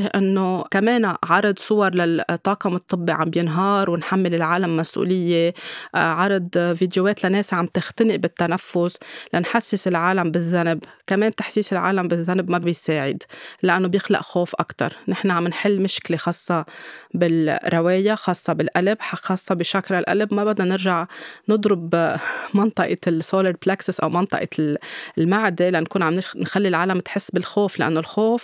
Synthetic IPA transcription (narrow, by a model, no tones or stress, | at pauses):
hʔɪnːokameːnʕɑɾˤɑd̪sˤʊwɑɾˤlat̪ˤːɑːqɑmʊt̪ˤːɨbːiʕambjɪnɦɑːɾˤwɪnħamːɪlɪlʕaːlamːasʔṵːlɪjːe | ʕɑɾˤd̪vid̪joweːt̪laneːsʕamb̚t̪ɪxt̪anɪʔbɪt̪ːanafːʊslanħasːɪsɪlʕaːlambɪzːanbkameːnt̪aħsiːsɪlʕa̰ːlambɪzːanabmabɪjsaːʕɪ̰d̪laʔanːobjɪxla̰ʔxoːfʔa̰kt̪ɑ̰ɾˤnɪħnaʕamnħɪlːmɪʃklexɑːsˤːɑbɪlɾˤɑweːjaxɑːsˤːɑbɪlʔalabħaxɑːsˤːɑbɪʃakɾˤalʔa̰labmabad̪nanɪɾʒaʕnɨd̪ˤɾʊbmɑnt̪ˤɑʔɑsoːlɑɾplaːksɪsʔa̰wmɑnt̪ˤɑ̰ʔɑ̰ | lmaʕd̪elankuːnʕamnɪnxalːilʕaːlamt̪ħɪsːbɪlxoːflaʔa̰nːolxoːf